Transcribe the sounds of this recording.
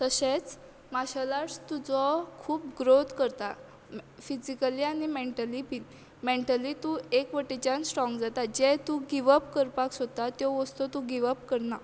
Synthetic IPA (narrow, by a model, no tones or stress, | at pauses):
t̪əɕet͡s | maɕalast̪ud͡zɔkʰuːp̚ɡɾot̪kəɾt̪a | fid͡ʑikəliañimeɳʈəlipin | meɳʈəlit̪ũekʋəʈit͡ɕansʈɾɔ̃ŋɡd͡zat̪ad͡ʑɛt̪ũɡiʋəpkəɾpaksɔt̪ːat̪jɔʋəst̪ɔt̪ũɡiʋəpkəɾna